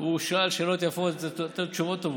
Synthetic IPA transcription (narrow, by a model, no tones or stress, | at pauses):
uʃalʃelot̪jafot̪at͡ʃuvot̪ov